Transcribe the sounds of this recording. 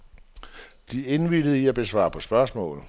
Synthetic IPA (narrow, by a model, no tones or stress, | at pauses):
d̥ie̝nʋid̥ð̩ˠiæb̥e̝sʋɑ̰̈ːpʰɒ̽sb̥ɶɐsmɔ̰ːl